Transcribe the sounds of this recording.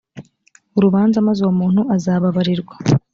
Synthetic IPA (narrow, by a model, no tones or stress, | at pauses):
uɾuβaːnzamazowomuːn̥huʔazaːβaβaɾiɾɡwḁ